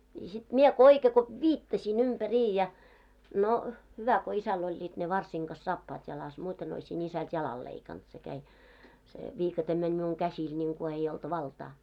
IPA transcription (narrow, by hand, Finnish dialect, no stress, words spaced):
ni sit miɛ ko oike ko ʋiːtːɑsiˑn ympæriːj jɑ no hyʋæ ko isæl olʲːiːt ne ʋɑrsiŋ ɡ̊ɑs sɑːpːɑːt jɑlɑs muːten oisin isælt jɑlɑl leikɑnt se kæi se ʋiːkɑtem menʲ miuŋ kæsiːl nʲiŋku ei olt ʋɑltɑː